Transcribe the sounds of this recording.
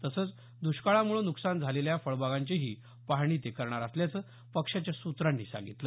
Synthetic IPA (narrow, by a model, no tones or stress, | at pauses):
t̪əsəːt͡s | d̪uɕkaɭamuɭonuksand͡zʱaleljafəɭbaɡaɲt͡ɕeɦiː | paɦɽ̃it̪ekəɾɳ̃aɾasljat͡sə | pəkʂat͡ɕjasut̪ɾanːiːsa̰ŋɡit̪lə